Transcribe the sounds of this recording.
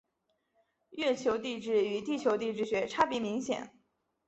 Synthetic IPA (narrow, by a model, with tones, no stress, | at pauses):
jɛ˥˩t͡ɕʰjo˧˥ʊt̪i˥˧ʈ͡ʂɻ̩˥˩y˧˥t̪i˥˩t͡ɕʰjo˧˥ʊt̪i˥˧ʈ͡ʂɻ̩˥˩ɕɥɛ˧˥ʈ͡ʂʰa˥pi˧˥mi˧˥ŋɕjɛ̰˨˩˦n